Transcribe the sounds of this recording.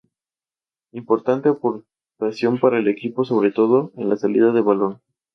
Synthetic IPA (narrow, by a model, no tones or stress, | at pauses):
impo̞ɾt̪ant̪epoɾ | pɾasjo̞mpaɾaele̞kipo̞so̞β̞ɾe̞t̪o̞ðo̞enlasalḭð̞aðe̞βalo̞n